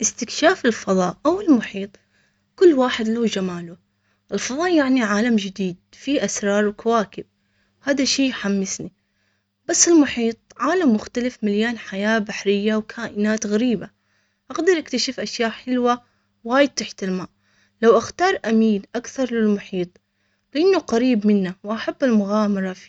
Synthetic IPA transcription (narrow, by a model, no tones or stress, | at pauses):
ʔɪst̪ɪkʃaːfɪlfɑðˤɑːʔʔawɪlmʊħiːt̪ˤ | kʊlːwaːħɪd̪laːd͡ʒamaːlu | ʔɪlfɑðˤɑːʔjaʕniʕaːlamd͡ʒɪd̪iːd̪̚fiʔasɾˤɑːɾˤwkʰawaːkɪb̚ | haːðaʃiːjħamːɪsni | basːɪlmʊħiːt̪̚ˤʕaːlamːʊxt̪alɪfmaljaːnħajaːbaħɾɪjːawkʰaːʔɪnaːt̪ɣaɾiːba | ʔaɣd̪ɪɾʔakt̪aʃɪfʔaʃjaːʔħɪlwa | waːjɪd̪̚t̪ːaħt̪ɪlmaːʔ | lawʔaxt̪ɑːɾˤʔamiːnʔakθɑɾˤlɪlmʊħiːt̪ˤ | lɪʔanːuqaɾiːbmɪnːawʔaħabːɪlmʊɣaːmɑɾˤɑfi